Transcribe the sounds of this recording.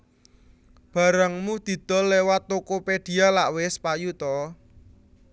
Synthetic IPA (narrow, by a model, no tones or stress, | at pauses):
b̥ä̤ɾəŋmud̪̥i̤d̪̥ɔ̤lːewat̪ːukoped̥i̤alaʔwɪspajut̪ɔ